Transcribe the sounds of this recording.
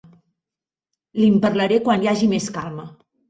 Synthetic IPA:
limpəɾləɾekwanjaʒimeskalˠmə

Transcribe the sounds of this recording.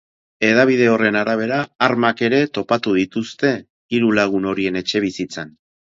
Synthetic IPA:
e̞ðaβ̞iðe̞o̞re̞naɾaβ̞e̞ɾaːɾmake̞ɾe̞t̪o̞pat̪uð̞it̪ust̪e̞ | iɾulaɣ̞uno̞ɾie̞ne̞t͡ʃe̞β̞isit͡san

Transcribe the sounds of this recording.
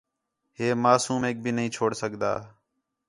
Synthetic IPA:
ɦeːmaːsuːmeːk̚bʱiːnəɦĩːt͡ʃʰoːɽsəɠd̪a̰ː

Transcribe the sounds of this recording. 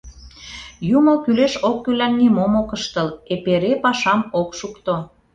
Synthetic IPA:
juməlkyleʃokːylænːimomokəʃt̪əlepeɾepɑʃɑmokʃukt̪o

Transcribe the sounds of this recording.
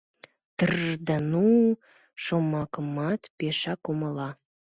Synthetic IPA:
t̪ərd̪ənu | ʃomɑkəmɑt̪peʃɑkoməlɑ

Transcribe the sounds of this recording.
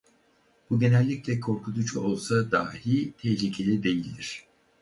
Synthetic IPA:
b̥uɟe̞nɛlʲːiclʲɛkʰo̞ɾkʰut̪ʰut͡ʃo̞lˠsad̪a̰ːhit̪ʰɛçlʲicʰe̞lʲid̪e̞jilʲd̪iɾ̝̥

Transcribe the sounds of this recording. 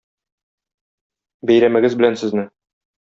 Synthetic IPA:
bæjɾæmɘ̆ɡɘzbɘ̆lænsɘ̆znɘ

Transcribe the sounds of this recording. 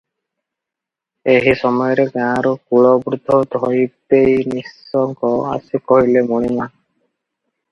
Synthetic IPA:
eɦisɔmɔjɔɾeɡãɾɔkuɭɔbɾud̪ʱːɔd̪ʱɔjt̪ejnisɔŋkɔa̰sikɔɦilemɔɽ̃ima

